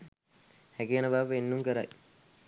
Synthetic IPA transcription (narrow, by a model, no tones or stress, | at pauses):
hɛkijənəbaːʋəenːuŋkəɾa̰j